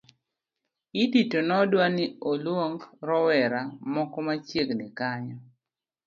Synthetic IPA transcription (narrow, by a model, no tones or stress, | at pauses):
ititonɔdwanɪolwoŋɡɾɔwɛɾamɔkɔmat͡ʃjeɡnɪkaɲɔ